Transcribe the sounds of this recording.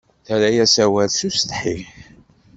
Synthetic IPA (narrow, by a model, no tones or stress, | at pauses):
θæɾæjæsæwælsust̪ħiʝ